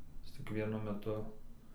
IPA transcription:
ˈjɪs t͡sʲɪk ˈʋʲiɛnʊ mʲɛˈtʊ

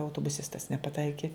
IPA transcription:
ɐʊtoːbʊˈsʲɪstɐs nʲɛpɐˈtɐɪkʲɪ

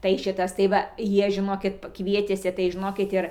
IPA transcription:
tɐɪ ˈʃʲɪtɐs tɐɪ ˈʋɐ ˈjiɛ ʒʲɪˈnoːkʲɪt ˈkʋʲiɛtʲeːsʲɪ tɐɪ ʒʲɪˈnoːkʲɪt ˈɪr

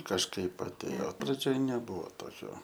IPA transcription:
kɐʃˈkɐɪp ɐtʲˈeːjoː prɐˈd͡ʒʲoːj nʲɛˈbuːʋoː ˈtoːkʲoː

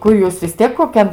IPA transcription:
ˈkʊr juːs ʋʲɪs ˈtʲiɛk koːˈkʲɛn

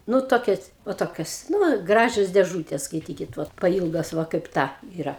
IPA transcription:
ˈnʊ ˈtoːkʲɛs ʋɐ ˈtoːkʲoːs ˈnʊ ˈɡrɑːʒʲoːs dʲeːˈʒuːtʲeːs skɐɪˈtʲiːkʲɪt ˈʋoːt pɐˈiːlˠɡoːs ˈʋɐ kɐɪp ˈtɐ iːˈrɐ

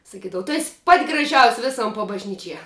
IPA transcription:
sɐˈkʲiːdɐʋɐ tʊ ɛsʲ pɐtʲ ɡrɐˈʒʲɛʊsʲ ˈʋʲɪsoːm pɐbɐʒʲˈnʲiːt͡ʃʲiɛ

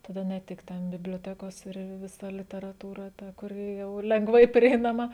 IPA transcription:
tɐˈdɐ nʲɛ ˈtʲɪk ˈtʲɛn bʲɪbʲlʲoːˈtʲæːkoːs ɪr ʋʲɪˈsɐ lʲɪtʲɛrɐˈtuːrɐ ˈtɐ kʊˈrʲɪ jɛʊ lʲɛŋɡˈʋɐɪ pʲrʲiɛɪnɐˈmɐ

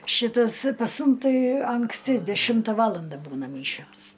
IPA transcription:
ˈʃʲɪtɐs pɐs ˈmʊm ˈtɐɪ ɐŋksʲˈtʲɪ dʲɛˈʃʲɪmtɐ ˈʋɑːlˠɐndɐ ˈbuːnɐ ˈmʲiːʃʲoːs

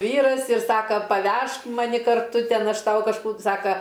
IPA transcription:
ˈʋʲiːrɐs ɪr ˈsɑːkɐ pɐˈʋʲɛʃk mɐˈnʲɪ kɐrˈtʊ ˈtʲɛn ˈɐʃ ˈtɐʊ kɐʃˈkuː ˈsɑːkɐ

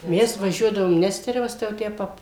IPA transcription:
ˈmʲɛs ʋɐˈʒʲuɔdɐʋoːm ˈnʲæːsʲtʲɛrʲɛʋɐs tɐɪ jɛʊ ˈtʲæː ˈpɐp

